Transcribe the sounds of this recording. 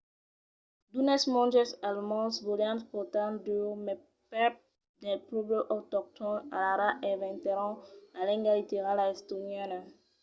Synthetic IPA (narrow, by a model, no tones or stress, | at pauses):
d̪unɛsmɔ̃nd͡ʒɛsalmɔ̃svoljãntpɔt̪andymɛ | pɛp̚ | dɛpɾobəʔɔt̪ɔk̚t̪ʰɔ̃na̰laɾaʔɛvɛ̃nt̪ɛɾɔ̃lalɛ̃ŋɡalit̪eʁalaɛst̪onjana